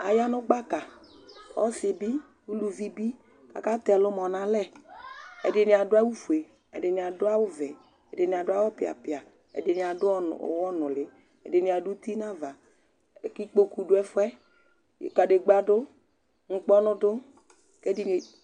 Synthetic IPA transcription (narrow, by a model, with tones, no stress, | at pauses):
a˨ja˦nʊ˦ɡ͡ba˦ka˨ | ɔ̰˦sɪ˨bi˦ | wu˦lu˨vi˦bi˦ | ka̰˨ka˦t̪ɛ˨lʊ˦mɔ˨nã˨lɛ˦ | ɛ̰˨dɪ˨nɪ˨a˨dʊ˦a˦wu˦fu˨e˨ | ɛ̰˨dɪ˨nɪ˨a˨dʊ˦a˦wʊ˦vɛ˨ | ɛ̰˨dɪ˨nɪ˨a˨dʊ˦a˦wɔ˦pɪ˨a̰˨pɪ˨a˨ | ɛ̰˨dɪ˨nɪ˨a˨dʊ̰˦˨wɔ˦nʊ˨lɪ˨ | ɛ̰˨dɪ˨nɪ˨a˨du˦t̪i˦na˦va˨ | ki˦k͡po˦ku˨dʊ˦ɛ˦fʊ˦ɛ˦˨ | ka˨de˨ɡ͡ba˦dʊ˦ | ŋ̩˦k͡pɔ˦nʊ˦dʊ˦ | kɛ˦di˨n˨